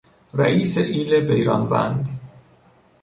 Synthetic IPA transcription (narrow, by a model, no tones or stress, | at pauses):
ɾæʔiːseʔiːlebejɾɒ̰ːnvæ̰nd̪